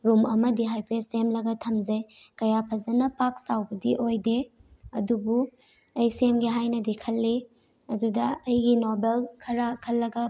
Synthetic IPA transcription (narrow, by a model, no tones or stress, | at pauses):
ɾumɐmɐdiɦajpʰesemlɐɡɐtʰɐmd͡ʒɐjkɐjapʰɐzɐnɐpak̚sawbɐdiʔojdeɐdubu | ɐjsemɡiɦajnɐdikʰɐlːi | ɐdudɐɐjɡinobelkʰɐɾɐkʰɐlːɐɡɐ